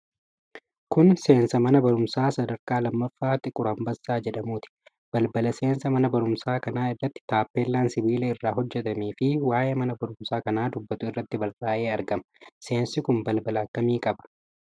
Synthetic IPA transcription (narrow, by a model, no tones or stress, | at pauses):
kʊnse̞ːnsɐmɐnɐbɐɾʊmsaːsɐd̪ɐɾkaːlɐmːɐfːaːt̪ʼɪkʼʊɾɐmbɐsːaːd͡ʒɛᶑɐmuːt̪ɪ̥ | b̥ɐlbɐlɐse̞ːnsɐmɐnɐbɐɾʊmsaːkɐnaːɪrːɐt̪ːɪ̥t̪aːpːeːlːaːnsɪbiːlɐɪrːaːɦɔd͡ʒːɛt̪ɐmiːfɪwaːjeːmɐnɐbɐɾʊmsaːkɐnaːd̪ʊbːɐt̪ʊɪrːɐt̪ːɪbɐɾaːʔeːɐɾɡɐmɐse̞ːnsɪkʊnbɐlbɐlɐɐkːɐmiːkʼɐbɐ̥